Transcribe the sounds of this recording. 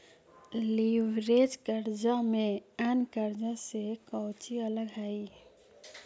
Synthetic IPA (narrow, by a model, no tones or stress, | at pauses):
liʋɾed͡ʒkəɾd͡ʒamẽənkəɾd͡ʒasekəʊt͡ʃiələɡɦai